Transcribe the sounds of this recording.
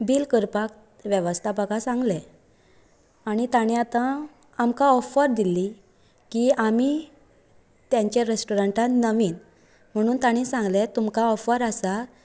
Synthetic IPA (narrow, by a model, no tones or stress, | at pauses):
biːlkəɾpak | ʋjeʋəst̪ʰapaɡasãŋɡlɛ | aɽ̃it̪aɽ̃iat̪ã | amkaɔfəɾd̪ili | kiami | t̪jãɲt͡ɕeɾesʈɔɾəɳʈanəʋiːn | m̤əɽ̃uːnt̪aɽ̃isãŋɡlɛt̪umkaɔfəɾasa